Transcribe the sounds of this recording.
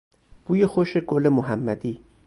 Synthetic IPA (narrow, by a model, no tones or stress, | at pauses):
b̥ujexoʃeɡolemoɦæmːæd̪i